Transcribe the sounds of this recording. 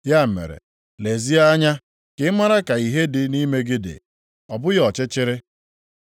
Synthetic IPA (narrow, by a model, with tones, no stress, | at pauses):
ja˦m̩˨mḛ˨ɾḛ˨ | le˨zi˦a˦a˦ɲa˦ | kɪ˦ma˦ɾa˦ka˨i˨ɦe˦dɪ˦ni˦me˦ɡɪ˦dɪ̰˨ | ɔ˨bʊ˦jɔ˨t͡ʃɪ˦t͡ʃɪ˦ɾɪ˦